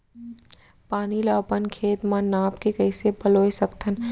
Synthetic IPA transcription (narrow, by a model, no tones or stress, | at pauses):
paːnilɔːpənkʰeːt̪mãnaːpkekɐɪsebɐloːesɐkt̪ʰən